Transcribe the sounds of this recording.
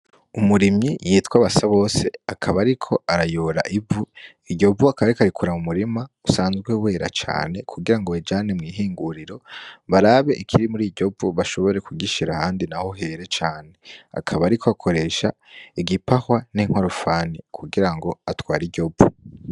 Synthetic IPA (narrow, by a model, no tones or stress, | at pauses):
umuɾimijiːtwaβasaβo̞ːse̞akʰaβaɾikʰo̞ʔaɾajoːɾa̰ʔivu | iɟo̞vuakaβaɾikaɾikuɾamumuɾimausaːnzɡwewe̞ːɾa̰t͡ʃa̰ːne̞kʰuɡiɾaŋɡo̞ed͡ʒanemŋiːɦiːŋɡuɾiɾo̞βaɾaβe̞ʔikʰiɾimuɾiɟo̞buβaʃo̞βo̞ɾe̞kʰuɡiʃiɾahaːndinaho̞ɦe̞ɾe̞t͡ʃaːne̞a̰kʰaβaːɾikʰoakʰo̞ɾe̞ːʃa | iɡipahwaniŋ̥hwaɾofaːnikʰuɡiɾaŋɡo̞atwaːɾiɟo̞b͡vu